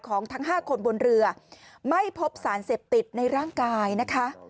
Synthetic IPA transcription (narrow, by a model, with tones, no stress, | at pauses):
kʰɔː˩˦ŋt̪ʰa˦˥ŋɦaː˥˩kʰo˧nbo˧nɾɯ˧ɐ | ma˥˩jpʰo˦˥p̚saː˩˦nseː˨˩p̚t̪i˨˩t̪̚na˧jɾaː˥˩ŋkaː˧jna˦˥kʰa˦˥ʔ